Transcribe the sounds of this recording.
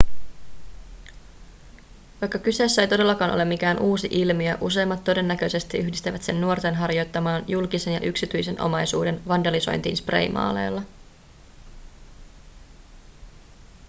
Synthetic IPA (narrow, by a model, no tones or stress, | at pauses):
ʋɑjkːɑkyseːsːæejt̪o̞de̞lːɑkɑːno̰lːɑmːik̟æːnʔuːsiʔilmiæʔuse̞ːmːɑt̪ːo̞de̞nːæk̟ø̞jse̞st̪iyçdist̪æʋæt̪se̞nːuo̞t̪e̞nɦɑrjo̞jt̪ːɑmɑːnjulkise̞njɑ̰ʔyksit̪yjse̞nʔo̞̰mɑjsṵːde̞nʋɑndɑliso̞̰jnt̪ḭːnspre̞̰jmɑ̰ːle̞̰ːlːɑ